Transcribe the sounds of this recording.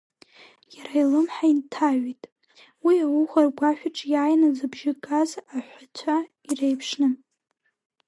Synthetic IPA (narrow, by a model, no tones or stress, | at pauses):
jaɾailɨmħaintʰaɥitʼ | wiawuχʷarɡʷaʃʷᶣaʈ͡ʂʼjaːjnazɨbʒɪkʼazaħʷat͡ɕʷʰa | irejpʰʂnɨ